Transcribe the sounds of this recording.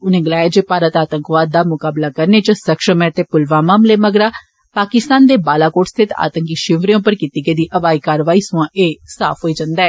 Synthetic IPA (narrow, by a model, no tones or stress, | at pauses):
ʊnẽːɡəlaːjad͡ʒeːpaːɾət̪aːt̪əŋkʋaːd̪̚ːaːmʊkaːblaːkəɾneːt͡ʃəsəkʃəmɛ̃ːt̪eːpʊlʋãːmaːmleːməɡɾaː | paːkɪst̪aːnd̪eːbaːlaːkoːʈst̪ʰɪt̪a̰ːt̪əŋkiʃɪʋɾijõːpəɾkiːt̪iːɡeːd̪iːʔəʋaːiːkaːɾəʋaːiːsuãːʔeːsa̰ːpʰɦoːiːd͡ʒãnd̪aɛː